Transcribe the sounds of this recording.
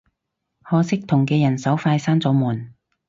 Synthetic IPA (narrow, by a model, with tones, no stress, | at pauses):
hɔː˧sɪ˥k̚t̪ʰʊ˨˩ŋkɛː˧jɐ˨˩nsɐ˨˥wfaː˧jsaː˥nt͡sɔː˨˧muː˨˩n